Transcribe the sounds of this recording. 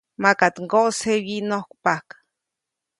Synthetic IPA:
makat̪ŋɡoʔsewinohkpakḁ

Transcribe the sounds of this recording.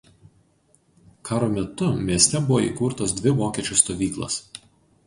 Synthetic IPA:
kʰɑːɾoːmʲɛt̪ʊmʲiɛsʲt̪ʲɛbʊʋoḭkuɾt̪oːsd̪ʲʋʲɪʋoːkʲɛt͡ʃʲʊst̪oːʋʲiːklˠɐ̰s

